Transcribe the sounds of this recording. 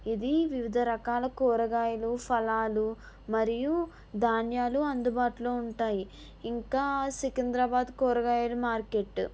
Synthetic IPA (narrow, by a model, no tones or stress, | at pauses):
id̪iʋiʋid̪ʱɐɾɐkaːlɐkoːɾɐɡaːjɐlupʰɐlaːlu | mɐɾiju | d̪ʱaːnjaːluɐnd̪ubaːʈuloːuɳʈaːji | iŋkaːsikind̪ɾɐbaːd̪koːɾɐɡaːjɐlumaːɾke̞ʈː